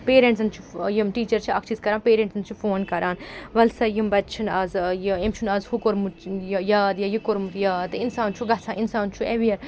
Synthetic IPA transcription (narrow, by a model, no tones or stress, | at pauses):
peːɾẽɳʈsɐnt͡ʃʰu̥jimʈiːt͡ʃɐɾt͡ʃʰiɐkt͡ʃʰizkɐɾaːnpeːɾẽɳʈsɨnt͡ʃʰifoːnkɐɾʔaːnʋɐlsɐjimbɐt̪t͡ʃʰinaːzjiemt͡ʃʰunaːzhukoɾmujjaːd̪jɐjikoɾmut̪jaːt̪ɨinsaːnt͡ʃʰuɡɐt͡sʰaːʔinsaːnt͡ʃʰueʋijɐɾ